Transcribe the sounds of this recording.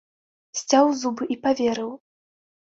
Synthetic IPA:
sʲt͡sʲawzubɨʔipavʲɛɾɨw

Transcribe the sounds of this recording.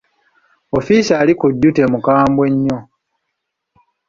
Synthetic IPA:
ofisaːlikuɟːute̞mukaːmbwe̞ɲːo

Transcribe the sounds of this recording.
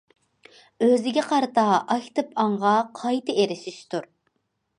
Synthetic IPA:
øzɪɡʲɛqʰɑɾt̪ɑɑkʲt̪ɨpɑɴʁɑqʰɑjt̪ʰɨeɾɪʃiʃt̪ʰuɾ

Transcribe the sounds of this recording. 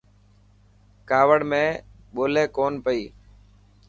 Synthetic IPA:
kaːʋəɽmẽː | ɓoːleːkoːnpəiː

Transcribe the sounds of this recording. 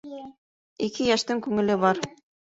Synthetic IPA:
ikɘjæʃt̪ɘŋkʉŋɘ̆lɘβɑɾ

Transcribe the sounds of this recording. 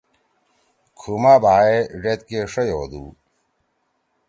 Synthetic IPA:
kʰumabaːeɖet̪̚keʂejoːd̪ṵː

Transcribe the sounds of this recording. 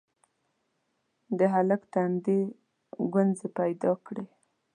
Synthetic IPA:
d̪əɦalakt̪and̪e | ɡanzepajd̪ɑkɽe

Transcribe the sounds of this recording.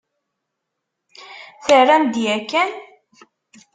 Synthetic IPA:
θərˤːænd̪ijækːæn

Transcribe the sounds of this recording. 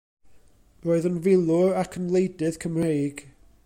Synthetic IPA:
roːɨðənvɪlˠʊrakʰənlˠejdɪð̥kʰəmrejɡ̥

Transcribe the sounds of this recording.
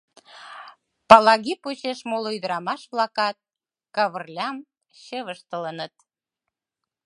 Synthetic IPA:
pɑlɑɣiput͡ɕeʃmoloyd̪əɾɑmɑʃβlɑkɑt̪̚ | kɑβərlʲɑm | ɕəβəʃt̪ələnət̪̚

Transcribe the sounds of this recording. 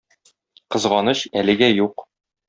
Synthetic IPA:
qɤ̆zʁɑnɤɕælɘ̆ɡæjuq

